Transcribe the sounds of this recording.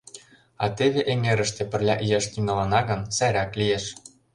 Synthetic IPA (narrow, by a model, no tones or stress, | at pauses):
ɑ̰t̪eβeʔeŋeɾə̆ʃt̪ĕpə̆rlʲɑʔijeʃt̪iŋɤ̆lɑnɑɣə̆nsæɾæklijeʃ